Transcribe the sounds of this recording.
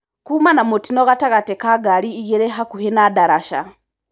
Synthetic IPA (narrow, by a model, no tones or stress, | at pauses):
kumanamotinoɣataɣatekaɡaliːɣeɾeɦakuhenadaɾaʃa̰